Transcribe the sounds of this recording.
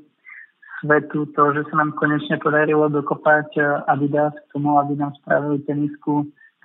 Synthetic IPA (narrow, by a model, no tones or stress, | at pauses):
sʋɛt̪ut̪ɔʒɛsanaːmkɔɲɛt͡ʃɲɛpɔd̪aɾilɔd̪ɔkɔpacabid̪ask̚t̪ɔmuabinaːmsp̪ɾa̰ʋilit̪ɛnisku